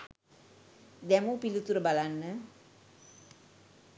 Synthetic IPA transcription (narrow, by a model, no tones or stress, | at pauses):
d̪ɛmupilut̪uɾəbalanːə